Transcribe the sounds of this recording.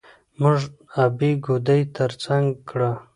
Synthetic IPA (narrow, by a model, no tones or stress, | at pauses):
muʐabiɡud̪əjt̪ʰəɾt͡saŋɡkɽa